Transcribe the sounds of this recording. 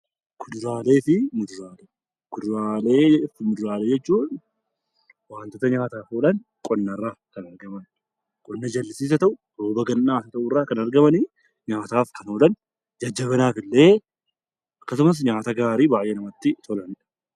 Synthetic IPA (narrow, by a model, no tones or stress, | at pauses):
kʊd̪ʊɾaːle̞ːfɪmʊd̪ʊɾaːle | kʊd̪ʊɾaːleːfɪmʊd̪ʊɾaːleːd͡ʒɛt͡ʃːuːᶑ | waːnt̪ot̪ɐɲaːt̪aːfoːlɐn | kʼɔnːɐrːaːkɐnɐɾɡɐmɐn | kʼɔnːɐd͡ʒɐlːɪsiːs̬ɐt̪ɐʔʊtoːbɐɡɐnnaːsɐt̪ɐʔʊrːaːkɐnɐɾɡɐmɐnɪ | ɲaːt̪aːfkɐnoːlɐn | d͡ʒɐd͡ʒːɐβɐnaːfɪlːe̞ː | ɐkːɐs̬ʊmɐs̬ɲaːt̪ɐɡaːɾiːbaːjʔeːnɐmɐt̪ːɪt̪ʰɔlɐnɪᶑɐ̥